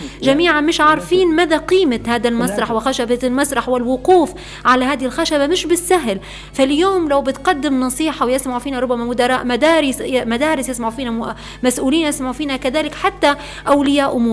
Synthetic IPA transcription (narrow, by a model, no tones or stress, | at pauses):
ʒamiːʕanmɪʃʕɑɾˤfiːnmaːðaqiːmat̪haːd̪almasˤɾˤɑħwɪxaʃabalmasɾˤɑħwɪlwʊquːf | ʕalahaːd̪ɪhɪlxaʃabamɪʃbɪsːaɦl | faljoːmlawbɪt̪qɑd̪ːɪmnɑsˤiːħɑwjɪsmaʕfiːnaɾˤʊbːamamʊd̪ɑɾˤɑːʔmad̪aːɾɪsmad̪aːɾɪsjɪsmaʕfiːna | masʔuːliːnjɪsmaʕfiːnakaðaːlɪkħat̪ːa | ʔawlɪjaːʔʊmuːɾ